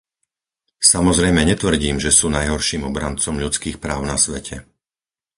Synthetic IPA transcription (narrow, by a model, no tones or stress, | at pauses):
samɔzɾɛjmɛɲɛt̪ʋr̩ɟiːmʒɛsuːnajɦɔɾʃiːmɔbɾa̰nt͡sɔmʎut͡skiːxpɾaːʊnasʋɛcʰɛ